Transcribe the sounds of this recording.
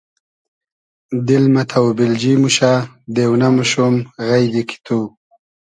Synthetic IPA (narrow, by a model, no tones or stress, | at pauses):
d̪ɪlmat̪ʰawbɪld͡ʒimuʃa | d̪ewnamuʃumɣajd̪ikʰi̥t̪ʰu